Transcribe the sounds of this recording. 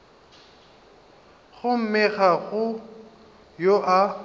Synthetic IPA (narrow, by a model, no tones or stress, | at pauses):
ɣʊm̩mɪɣaɣʊ | joʔa